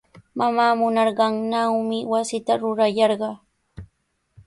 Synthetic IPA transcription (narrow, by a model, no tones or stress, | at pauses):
mamaːmʊnɑɾɢɑŋnawmɪwasɪt̪aɾʊɾajɑɾɢɑː